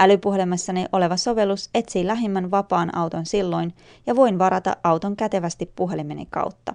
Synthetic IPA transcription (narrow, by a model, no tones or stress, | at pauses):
ælypuɦe̞lemːɑsːɑneʔo̞le̞ʋɑso̞ʋe̞lːuse̞t̪siːlæɦemːænʋɑpɑːnʔɑ̰wt̪o̞nsilːo̞jn | jɑʋo̞jnʋɑɾɑt̪ɑ̰ʔʔɑwt̪o̞ŋkæt̪e̞ʋæst̪ipːuɦe̞limenḛŋkɑ̰wt̪ːɑ